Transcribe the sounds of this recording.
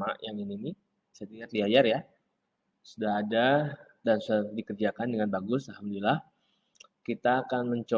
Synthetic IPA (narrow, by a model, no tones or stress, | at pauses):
aʔjaŋinini | sət̪iat̪̚diajarja | sudaɦada | dansudahdikərd͡ʒakandəŋanbaɡʊsalɦamdulilah | kit̪aːkanməɲt͡ʃo